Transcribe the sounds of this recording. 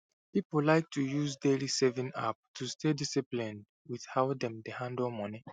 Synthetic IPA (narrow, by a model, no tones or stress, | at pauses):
pipolaɪk̚tʰujuzdelisɛvĩna̰p̚tʰustʰedisiplĩnd | wið̥haʊdɛ̃mdehãndɔlmɔ̃ni